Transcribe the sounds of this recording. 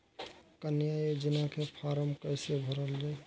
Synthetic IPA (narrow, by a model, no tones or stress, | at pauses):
kənjaed͡ʒinakʰepʰaɾəmkəjsebʱəɾəld͡ʒae